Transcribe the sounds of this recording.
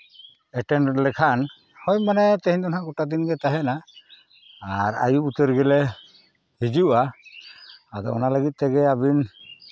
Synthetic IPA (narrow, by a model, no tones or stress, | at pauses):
ɛʈɛnlɛkʰan | hɔjmanɛt̪ɛɦɲd̪ɔnɦaɡɔʈad̪inɡɛt̪aɦɛnaː | ɾa̰juut̪əɾɡɛlɛ | hid͡ʒuʔa | ad̪ɔ̰ɔ̰nalaɡit̪̚t̪ɛɡɛabin